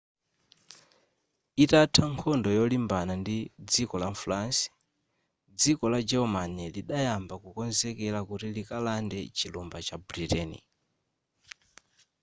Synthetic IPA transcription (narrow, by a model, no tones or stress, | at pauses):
itatʰaŋkʰɔndɔjɔlimbanandid͡zikɔlamflansi̥ | d͡zikɔlad͡ʒɛɔmanɛliɗajambakukɔnzɛkɛlakutilikalandɛt͡ʃilɔmbat͡ʃabɾitɛnḭ